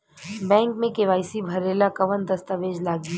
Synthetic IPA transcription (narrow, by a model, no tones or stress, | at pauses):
bɛ̃ːŋkmẽkeʋaːɪsibʱɐɾeːlakɐʋənd̪ɐst̪əʋeːd͡ʒlaːɡi